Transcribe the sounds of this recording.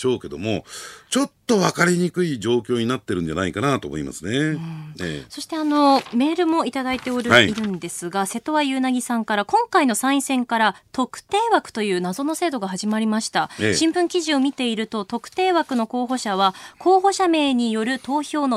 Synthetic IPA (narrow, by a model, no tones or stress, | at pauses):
o̞ːke̞d̪o̞̰mo̞̰t͡ɕo̞t̪ːo̞βakaɾʲiɲikɯ̟id͡ʑo̞ːkʲo̞ːɲ̟inat̪ːe̞ɾɯ̟̃nd͡ʑa̰na̰ikanat̪o̞̰ːmo̞̰ḭma̰sɨneɯḛso̞ɕi̥t̪e̞ano̞me̞ːɾɯ̟mo̞it̪ad̪ait̪e̞oɾɯ̟iɾɯ̟̃nd̪e̞sɨɡase̞t̪o̞βajɯ̟ːnaɡʲisãŋkaɾakõ̞ŋkaino̞sãɰ̃ĩsẽ̞ŋkaɾat̪o̞kɯ̟̥t̪e̞ːβakɯ̟̥t̪o̞jɯ̟ːnazo̞no̞se̞ːd̪o̞ɡaɦaʑimaɾʲimaɕi̥t̪aɕĩmbɯ̟̃ŋkʲiʑio̞mʲit̪e̞iɾɯ̟t̪o̞t̪o̞kɯ̟̥t̪e̞ːβakɯ̟no̞ko̞ːɦo̞ɕaβ̞ako̞ːɦo̞ɕame̞ːɲ̟ijo̞ɾɯ̟t̪o̞ːço̞ːno